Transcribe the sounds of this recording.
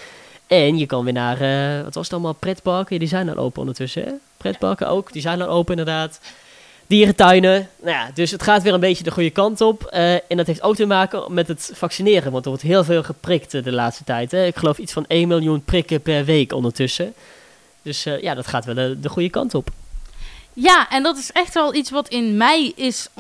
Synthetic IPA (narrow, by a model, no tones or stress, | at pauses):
ɛnjəkɑnʋɪːnaːrəʋɑtʋɑsə̥tɑlˠmaːlˠprɛdbɑlˠkədizɛjnda̰ʔo̰wpəɔ̰ndətɵsəɦɛ̰ | prɛdbɑ̰lkə̰ʔo̰wkdizɛjndaʔowpəɪndəɹdaːt | d̥iːrətœɥnənajadɵsɦətχaːtʋɪːlənmbejtjədəχujəkɑntɔpəɛndɑtɦeftowk̚təmaːkəmɛtɦətfɑksinɪːrəʋɑntəɹʋɔɹtɦɪːlˠvɪːlˠχəprɪktːdəlaːtstə̥tɛjtɦɛɪkχəlowfitsfɑnejnmɪlˠjunprɪkəpɛɹʋejkɔ̰ndəɹtɵsə | d̥ɵsja̰ːdɑtχaːtʋɛlˠədəχujəkɑ̰ntɔp | jaːʔɛndɑtɪsɛχtʋɛlˠitsʋɑtʰɪnmɛjɪs